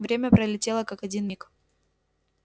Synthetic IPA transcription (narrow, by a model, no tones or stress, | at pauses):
vɾʲemʲəpɾəlʲɪtʲe̞lˠəkakɐdʲinmʲik